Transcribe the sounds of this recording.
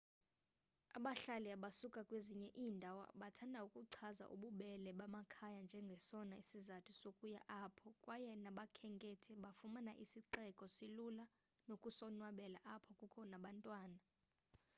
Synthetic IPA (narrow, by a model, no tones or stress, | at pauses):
aɓaɬaliaɓasukʼakʼweziɲɛʔiːndʱawa̰ɓatʰandʱaukʼuǀʰaza̰ʔuɓuɓɛlɛɓamakʰajand͡ʒʱɛŋɡʱɛsɔnaisizatʰisokʼuja̰ʔapʰɔkʼwʔajɛnaɓakʰɛŋkʼɛtʰɛɓafumana̰ʔisiǀɛkʼɔsilula | nokʼusɔnwaɓɛla̰ʔapʰɔkʼukʰɔnaɓantʼwaːna